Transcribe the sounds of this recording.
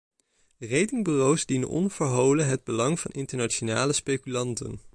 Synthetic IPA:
rejtɪŋbyrowsdinə̰nɔ̰nv̥əɹɦowləɦɛd̚bəlɑŋv̥ɑ̰nɪntəɹnaʃonaːləspejkylɑntə̰n

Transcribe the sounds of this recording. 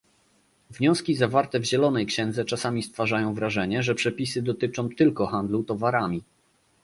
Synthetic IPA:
vɲɔ̃skʲizavaɾt̪ɛvʑɛlɔnɛjkɕɛnd̪zɛt͡ʂasamʲist̪faʐajɔ̃w̃vɾaʐɛɲɛʐɛpʂɛpʲisɘd̪ɔt̪ɘt͡ʂɔ̃w̃t̪ɘlkɔxand̪lut̪ɔvaɾamʲi

